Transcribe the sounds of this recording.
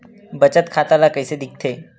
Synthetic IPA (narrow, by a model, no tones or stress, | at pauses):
bət͡ɕət̪kʰat̪alakəjsed̪ik̚t̪ʰe